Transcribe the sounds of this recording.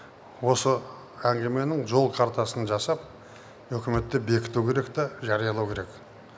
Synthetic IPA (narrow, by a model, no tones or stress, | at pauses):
wo̞sə | æŋɡʲe̞me̞nɪŋʒo̞lˠkʰaɾt̪ɑsənʒɑsɑp̚ | ɵkʲɪme̞t̪ːe̞be̞kʲɪ̥t̪ukʲʰe̞ɾe̞k̚t̪ɑʒɑɾijɑlˠɑwkʲʰe̞ɾe̞k